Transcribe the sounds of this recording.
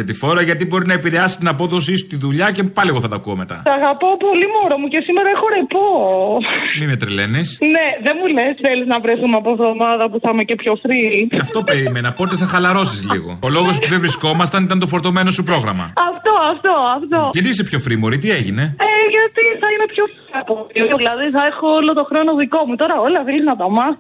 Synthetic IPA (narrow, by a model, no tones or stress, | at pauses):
ʝɐt̪ifo̞ɾɐʝɐt̪̬ibo̞ɾinɐepiɾeɐsi̥t̪nɐp̬oðo̞s̬iso̥t̪iðuʎɐcepɐlieɣoθɐt̪ɐkuo̰me̞t̪ɐ̰ɐɣɐpopolimoɾomuce̞simeɾɐexoɾepo | mimet̪ɾele̞nisneðemulesθeliznɐvɾeθumeɐpovðomɐðɐpuθɐmecepçofɾiɐft̪o̞peɾimenɐpoot̪iθɐxɐlɐɾo̞sizlḭɣo̞̰olo̞ɣospuðevɾisko̞mɐst̪ɐnit̪ɐnt̪ofo̞ɾt̪o̞me̞nosupɾo̞ɣɾɐ̰mɐ̰ɐft̪o̞ɐft̪o̞ɐft̪oʝɐt̪iis̬epço̞fɾimo̞ɾit̪̬ieʝineeʝɐt̪iθɐine̞pçof | ɐpoulɐðiθɐexoolot̪oxɾonoðiko̞mut̪o̞ɾɐolɐðeliznɐtɐmɐ